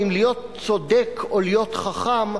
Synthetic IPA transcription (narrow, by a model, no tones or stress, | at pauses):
imlijo̞t̪̚ | t͡sod̪ekʰolijo̞t̪χaχam